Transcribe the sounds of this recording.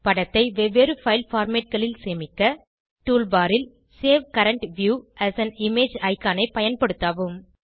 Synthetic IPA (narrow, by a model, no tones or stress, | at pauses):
pɐɽɐt̪ːɐɪʋɛʋeːɾɯfɐɪlfaːɾmeːʈ̚kɐɭɪlseːmɪkːɐ | ʈuːlbaːɾɪl | seːʋkɐɾɐɳʈʋjuːʔæːsɐnɪmeːd͡ʒɐɪkːaːnɐɪpɐjɐnpɐɽɯt̪ːaːʋɯm